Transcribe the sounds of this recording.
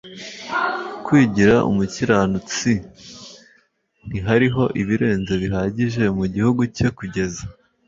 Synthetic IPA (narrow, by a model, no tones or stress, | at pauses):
kwiːɟiɾaʔṵmuciɾanut͡si | n̥iɦaɾiɦo̞ʔiβiɾe̞ːnze̞βiɦaːɟiʒe̞muɟihuɡuce̞kuɟe̞za